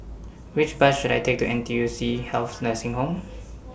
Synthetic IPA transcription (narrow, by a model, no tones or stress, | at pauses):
wɪt͡ʃbat͡ʃʃuɾa̰jtʰek̚tuʔɛ̃ntiusihɛlθnəsɪ̃ŋɦõm